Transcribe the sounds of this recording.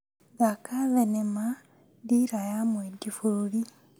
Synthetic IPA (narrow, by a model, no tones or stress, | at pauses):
ðakaβenema | diɾajamwedifululi